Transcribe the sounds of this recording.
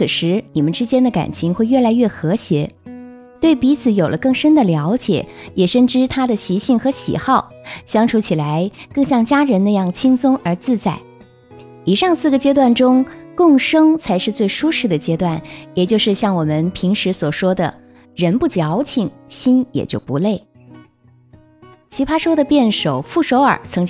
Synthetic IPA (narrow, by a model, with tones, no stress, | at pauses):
t͡sʰɹ̩˨˩ʂɻ̩˧˥ni˨˩mə˦nʈ͡ʂɻ̩˥t͡ɕjɛ˥nd̪ə˨ka̰˨˩nt͡ɕʰi˧˥ŋxwe˥˧ɪɥɛ˥˩la˧˥ɪɥɛ˥˩xɤ˧˥ɕjɛ˧˥ | t̪we˥˩ɪpi˧˥t͡sʰɹ̩˧˩˥jo˨˩ʊlʔə˦kɤ˥˩ŋʂə˥nd̪ə˨ljɑ˧˥ʊt͡ɕjɛ̰˨˩˦jɛ˨˩ʂə˥˧nʈ͡ʂɻ̩˥t̪ʰa˥d̪ə˨ɕi˧˥ɕi˥˩ŋxɤ˧˥ɕḭ˨˩xɑ˥˩ʊ | ɕjɑ˥ŋʈ͡ʂʰu˧˥t͡ɕʰi˨˩la˧˥ɪkɤ˥˧ŋɕjɑ˥˩ŋt͡ɕja˥ɻə˧˥nna˥˧jɑ˥˩ŋt͡ɕʰi˥ŋsʊ˥ŋə˞˧˥t͡sɹ̩˥˧t͡sa˥˩ɪ | i˨˩ʂɑ˥˧ŋsɹ̩˥˩ɡə˩t͡ɕjɛ˥t̪̬wa˥˩nʈ͡ʂʊ˥ŋkʊ˥˩ŋʂɤ˥ŋt͡sʰa˧˥ɪʂɻ̩˥˧t͡swe˥˩ɪʂu˥ʂɻ̩˥˩d̪ə˩t͡ɕjɛ˥t̪wa˥˩njɛ˨˩t͡ɕjo˥˧ʊʂɻ̩˥˧ɕjɑ˥˩ŋwɔ˨˩mə˦npʰi˧˥ŋʂɻ̩˧˥swɔ˨˩ʂwɔ˥d̪ə̰˨ | ɻə˧˥npu˥˩t͡ɕjɑ˧˥ʊt͡ɕʰi˨˩˦ŋɕi˥njɛ̰˨˩t͡ɕjo˥˩ʊpu˧˥le˥˩ɪ | t͡ɕʰi˧˥pʰa˥ʂwɔ˥d̪ə˨pjɛ˥˩nʂo˨˩ʊfu˥˩ʂo˧˥ʊə̰˞˨˩t͡sʰɤ˧˥ŋt͡ɕ